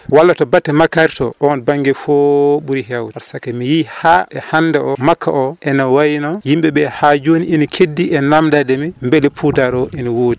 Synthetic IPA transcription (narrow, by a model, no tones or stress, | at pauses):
walːatɔbatːɛmakːaɾtɔ̰ʔɔɔnbaŋɡɛfɔɓuɾiɦawdwaɾsakɛmijihaʔɛhanːdɛʔɔmakʰːa̰ʔɔʔɛnawajinɔjimɓɛɓɛhad͡ʒoniʔinikʰedːiʔɛnamdadɛmɛmbɛlɛpʰudaɾɔʔiniwoːdi